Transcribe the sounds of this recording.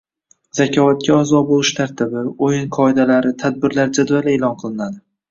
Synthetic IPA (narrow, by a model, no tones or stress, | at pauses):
z̥akʲʰɒvat̪̚kʲaazɒbolˠɪʃt̪ʰaɾt̪ʰɪbɪojɪnqʰɒɪd̪alaɾɪt̪ʰad̪̚bɪɾlaɾd͡ʒad̪vale̞ːlˠɒnqʰɨlˠɪnad̪ɪ